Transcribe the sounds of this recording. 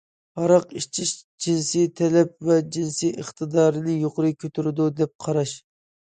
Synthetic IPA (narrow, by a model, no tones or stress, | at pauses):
hɑɾɑqit͡ʃʰiʃ | d͡ʒinsijt̪ʰɛlɛp̚vɛd͡ʒinsijʔəχt̪ʰɨd̪ɑːɾɨnɨjoqʊɾɨkʲʰøt̪ʰyɾɪd̪ud̪ɛp̚qʰɑɾɑʃ